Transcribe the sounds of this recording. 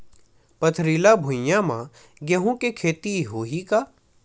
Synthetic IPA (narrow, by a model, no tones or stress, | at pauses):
pɐt̪ʰɾiːlabʱʊ̃jjãmã̰ | ɡeɦũkekʰeːt̪iɦoːɦika